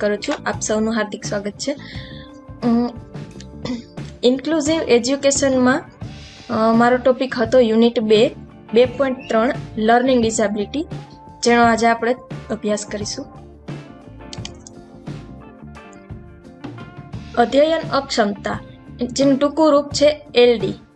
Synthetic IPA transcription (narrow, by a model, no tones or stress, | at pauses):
kəɾut͡ʃʰuapsəwnũɦaɾd̪ʱiksʋaɡət̪̚t͡ʃʰe | inkluziʋed͡ʒjukeʃənmã | maɾoʈopikɦət̪ojuniʈbe | bepoĩɳʈ̚t̪ɾəɳləɾniŋɡɖisabiliʈi | d͡ʒeñoad͡ʒeapɽ̃eəbʱjaskəɾiʃũ | əd̪ʱjəjənəpʃəmt̪ad͡ʒenũʈukũɾup̚t͡ʃʰeelɖi